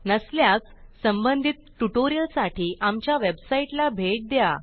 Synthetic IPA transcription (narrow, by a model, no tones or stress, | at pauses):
nəsljat͡ssəmbənd̪ʱit̪̚ʈuʈoɾijəlsaʈʰiːʔamt͡ɕjaʋebsaiʈlabʱeʈ̚d̪eja